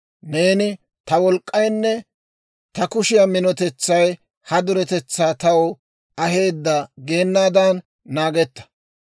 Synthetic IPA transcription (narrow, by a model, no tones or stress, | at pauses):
ne̞ːnɪ | t̪ɐwɔlkʼːɐjnːɛ | t̪ɐkʊʃɪjɐmɪnɔt̪ɛt͡sːɐj | hɐd̪ʊɾɛt̪ɛt͡sːaːt̪ɐwɔ | ɐɦe̞ːd̪ːɐɡe̞ːnːaːd̪ɐnː | aːɡɛt̪ːɐ̥